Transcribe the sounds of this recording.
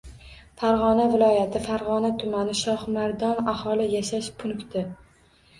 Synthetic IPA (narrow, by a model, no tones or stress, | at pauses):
faɾʁɒnavɪlˠɒjat̪ʰɪfaɾʁɒnat̪ʰʊmanɪʃɒχmaɾd̪ɒnahɒlˠɪjaʃaʃpʰːʊnkʲt̪ʰɪ